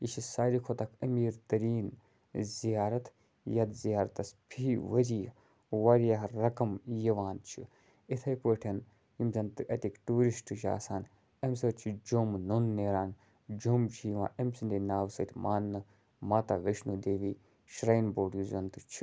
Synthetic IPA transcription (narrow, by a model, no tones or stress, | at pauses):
iʃisaːɾikʰot̪ɐkʰɐmiːɾt̪ɐɾiːn | zijaːɾɐt̪ | jɐd̪zijaːɾɐt̪ɐspʰiʋɐɾiː | ʋaɾjaɦɾɐkɐmjiʋaːnt͡ʃʰḭ | it̪ʰɐjpoːʈʰɐn | imzɐnt̪ɨʔɐt̪ikʈuːɾisʈʃa̰ːsaːn | ɐmsɐːt͡ʃʰid͡ʒoːmnonːeːɾaːn | d͡ʒomt͡ʃʰiːʋã̰ːʔɐmsind̪inaːwsɐt̪ʰʲmʔaːnːɨ | maːt̪aːʋeʃnuːd̪eːʋiː | ʃɾɐjnboːɖjuzɐnt̪ɨt͡ʃʰi̥